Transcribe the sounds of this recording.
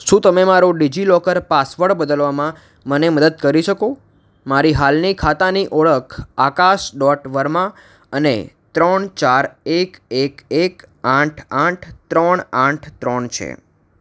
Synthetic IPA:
ʃũt̪əmemaɾoɖid͡ʒilɔkəɾpasʋəɽbəd̪əlʋamã | məneməd̪əd̪̚kəɾiʃəko | maɾiɦalnikʰat̪aniʔɔɭəkʰakaʃɖɔʈʋəɾmã | ənḛ | t̪ɾəɳt͡ʃaɾekekekãʈʰãʈʰt̪ɾəɳãʈʰt̪ɾəɳt͡ʃʰḛ

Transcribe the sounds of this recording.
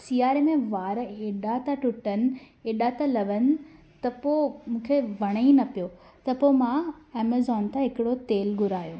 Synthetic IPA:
siːaːɾemẽʋaːɾeːɗat̪aʈʊʈənɪ̆ | eːɗat̪alɐʋənɪ̆ | t̪ɐpomũːkʰeʋɐɽ̃əinɐpijo | t̪ɐpomãeːmezɔːnt̪ʰãɦɪkɪɽot̪eːlɡʊɾaːjoː

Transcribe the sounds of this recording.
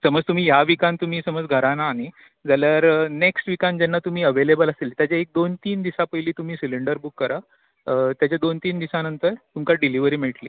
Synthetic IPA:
səməd͡zt̪um̤iːjaʋikãnt̪um̤iːsəməd͡zɡʱəɾanaːni | d͡zaljaɾneksʈʋikãnd͡ʑɛnːat̪um̤iːəʋelebəlaselt̪jat͡ɕaek̚d̪ont̪iːnd̪isapəjliːt̪um̤iːsiliɳɖəɾbukːəɾa | t̪jat͡ɕjad̪ont̪iːnd̪isanənt̪əɾt̪umkaɖiliʋəɾiːmiɭʈliː

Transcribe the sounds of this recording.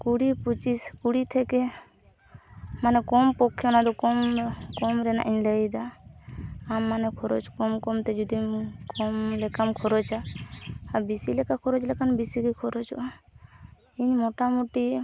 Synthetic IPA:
kuɽiput͡ʃiskuɽit̪ʰɛkɛ | manɛkɔmpɔkʰːjɔnad̪ɔkɔmkɔmɾɛna̰ʔiɲləjd̪aː | mːanɛkʰɔɾɔd͡ʒkɔmkɔmt̪ɛd͡ʒud̪imkɔmlɛkamkʰɔɾɔd͡ʒaː | bisilɛkakʰɔɾɔd͡ʒlɛkanbisiɡikʰɔɾɔd͡ʒɔ̰ʔa | iɲmɔʈamuʈi

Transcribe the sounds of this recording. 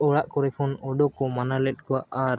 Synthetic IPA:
ɔɽaʔkɔɾɛpʰɔnɔɖɔkɔmanalɛɗ̚ˀkɔwaʔaɾ

